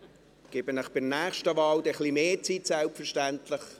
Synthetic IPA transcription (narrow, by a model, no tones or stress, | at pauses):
ɡ̥ɪːbənəχb̥ɪrnæːχʃtəvɑːld̪ɛχlimeːt͡sit̪sɛlpfəɾʃtæntləχ